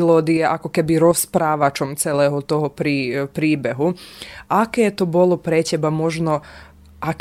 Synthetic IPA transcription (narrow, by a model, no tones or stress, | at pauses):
lɔːd̪iɛʔakɔkɛbiɾɔspɾaːʋat͡ʃɔmt͡sɛlɛːɦɔt̪ɔɦɔpɾiːpɾiːbɛɦuakɛːt̪ɔbɔlɔpɾɛcɛbamɔʒnɔ | ʔak